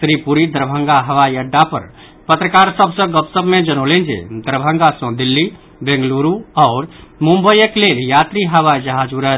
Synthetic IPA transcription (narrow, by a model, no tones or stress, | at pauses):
tɾipuɾid̪əɾbʱə̃ŋɡaɦəwaiəɖːapə̰ɾ | pət̪ɾəkaɾsəbʱsə̃ɡəpsəbmed͡ʒənolend͡ʒḛd̪əɾbʱə̃ŋɡasə̃d̪ilːi | bẽŋɡluɾuɔːɾmũmbəjəkleljat̪ɾiɦəwaid͡ʒəɦad͡ʒuɾə